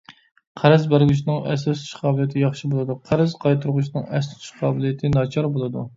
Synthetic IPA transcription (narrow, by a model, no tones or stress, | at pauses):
qʰæɾɪzbæɾɡʲyʃ̬nɨŋɛ̰sɪst̪ʰu̥ʃqʰɑːblˠijt̪ʰɪjɑχʃibolˠɨd̪uqʰæɾɪzqʰɑjt̪ʰuɾʁʊʃnɨŋɛst̪t̪ʰy̥ʃqʰɑːbɪlijɪt̪ʰɪnɑt͡ʃʰɑɾbolˠɨd̪ṵ